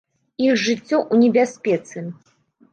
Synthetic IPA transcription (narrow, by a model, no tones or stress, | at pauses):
ixʐɨt͡sʲːɔʔunʲɛbʲasʲpʲɛt̪sɨ